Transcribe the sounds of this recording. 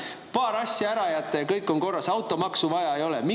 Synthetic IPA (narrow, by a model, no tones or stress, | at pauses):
pɑːɾɑsʲːjɑæɾɑjæt̪ːˑɑjɑkɤjkːˑo̞ŋko̞rːɑsɑwt̪ːˑo̞mɑksuvɑjɑejo̞lɛmi